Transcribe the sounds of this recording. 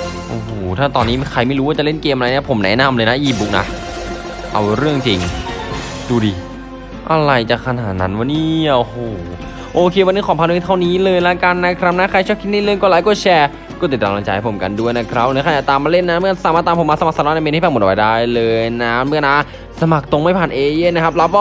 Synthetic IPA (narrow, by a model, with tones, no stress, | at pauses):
ʔoː˨˧˩hoː˨˩t̪ʰaː˥˩t̪ɔː˧nːiː˦˥xʰa˧jma˥˩jɾuː˦˥waː˥˩t͡ɕa˨˩le˥˩nkeː˧mʔa˧ɾa˧jniː˥˩˨pʰo˩˦mnɛ̰˨˦˥na˧mlɤː˧jna˦˥ʔiː˥˩bu˦˥k̚na̰˦˥ | ʔa̰˧wɾɯ˥˩əŋt͡ɕi˧ŋ | duː˧diː˧˩ | ʔa˧ɾa˧jt͡ɕa˨˩kʰa˧naː˨˩t̪̚na˦˥nwa˧˦niː˥˩o˧hoː˨˩ | ʔoː˧kʰeː˧wa˧nːɯː˧˥˩kʰɔː˨˦pʰa˧nː˧˥˨t̪ʰa˥˩wniː˦˥lɤː˧jla˦˥ka˧nːa˦˥kʰɾa˦˥p̚na˦˥kʰa˧jt͡ɕʰɔː˥˩kʰi˦˥t̪̚niː˥˩lɯ˧˥˨jkɔː˥˩laː˨˦kɔː˥˩t͡ɕʰɛː˧ | kɔ˥˩t̪i˨˩t̪ːaː˧ŋa˧˦˩t͡ɕa˧ha˨˩pʰo˩˦mka˧ndu˥˩jna˦˥kʰɾa˦˥p̚nɯ˧˥˦kʰaː˧˩ja˨˩t̪aː˧maː˧le˥˩nːaː˦˥nmɯ˥˩ə˨sa˧˩maː˧˩aː˧pʰo˨˦maː˧sa˧a˨˩ksa˧lɔː˧˥na˧˩me˧n˧˥˩pɛː˧˩mo˨˩t̚ːa˧˦jdaː˧˥˩jlɤː˧jjna˦˥nmɯ˥˩˨naː˦˥ | sa˧ma˨˩k̚t̪o˧ŋma˥˩pʰaː˨˩nʔeː˧je˥˩˨nːa˦˥kʰa˦˥p̚la˦˥p̚wɔː˥˩